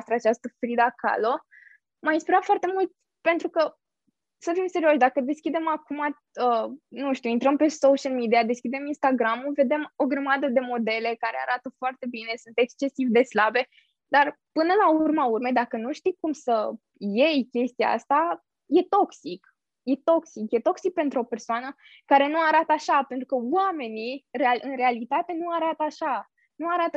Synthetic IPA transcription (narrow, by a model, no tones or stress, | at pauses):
st̪ɾat͡ʃast̪əfɾid̪aka̰lo | majinspeɾafoart̪e̞mult̪ʲ | pe̞nt̪ɾukə | səfimse̞ɾio̞ʃd̪akəd̪e̞skʲid̪e̞makuma | ənuʃt̪uint̪ɾəmpe̞soʃialmid̪iad̪e̞skʲid̪e̞minst̪aɡɾamuve̞d̪e̞mo̞ɡɾəmad̪əd̪e̞mo̞d̪e̞le̞kaɾea̰ɾat̪əfoart̪e̞bine̞sunt̪e̞kst͡ʃe̞sivd̪e̞slabe̞ | d̪arpɨnəlaurmaurmed̪akənuʃt̪ikumsə | je̞jkʲe̞st̪ia̰a̰st̪a | je̞t̪o̞ksik | je̞t̪o̞ksikje̞t̪o̞ksik̚pe̞nt̪ɾuo̞pe̞rsoanə | kaɾe̞nuaɾat̪əaʃape̞nt̪ɾukəwame̞nirealɨnre̞alit̪at̪e̞nuaɾat̪əaʃa | nuaɾat̪ə